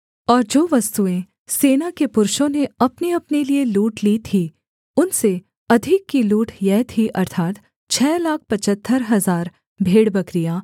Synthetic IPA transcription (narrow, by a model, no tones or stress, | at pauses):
ɔːɾd͡ʒoːʋɐst̪uẽ | seːnakepʊɾʃõneɐpneɐpnelieluːʈlit̪ʰi | ʊnse | ɐd̪ʱɪkːiluːʈʰjɛːt̪ʰiʔɐɾt̪ʰaːt̪ | t͡ʃʰɛːlaːk̚ʰpɐt͡ʃət̪ʰːəɾɦɐzaːɾ | bʱeːɽbɐkɾijaː